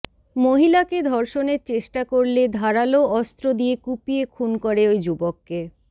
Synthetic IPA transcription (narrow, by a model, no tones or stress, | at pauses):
moɦilaked̪ʱɔɾʃoneɾt͡ɕeʃʈakoɾled̪ʱaɾaloɔst̪ɾod̪ijekupiekʰunkoɾeojd͡ʑubokːe